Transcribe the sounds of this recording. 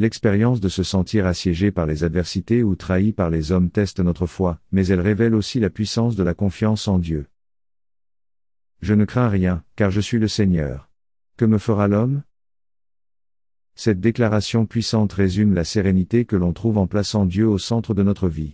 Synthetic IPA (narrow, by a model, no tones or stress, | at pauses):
lɛkspeʁjɑ̃s̬d̪əsəsɑ̃t̪ʰiʁasjɛʒepaʁlezad̪vɛʁsit̪eut̪χaipaʁlezɔmt̪ɛst̪nɔt̪χəfwamɛzɛlʁevɛlosilapɥisɑ̃s̬d̪əlakɔ̃fjɑ̃sɑ̃d̪jø | ʒənəkχɛ̃ʁjɛ̃kaʁʒəsɥiləsɛɲœ̰ːʁ | kəməfəʁalɔm | sɛt̪̚d̪eklaʁasjɔ̃pɥisɑ̃t̪ʁezymlaseʁenit̪ekəlɔ̃t̪χuvɑ̃plasɑ̃d̪jøosɑ̃t̪χəd̪ənɔt̪χəvi